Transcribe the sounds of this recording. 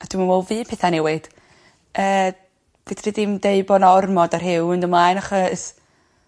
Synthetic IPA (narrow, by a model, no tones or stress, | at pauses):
ad̥wmənɔlˠviːpʰɛθanɛwɪd̥ | əː | vɛdʰridɪmdeɨbɔnɔrmɔdarɦɪwəndəmlajnaχɔs